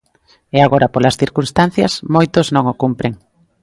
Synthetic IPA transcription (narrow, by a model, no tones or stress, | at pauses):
ɛaɣoɾɐpolɐsθiɾkunst̪an̟θjɐsmojt̪oznõŋokumpɾeŋ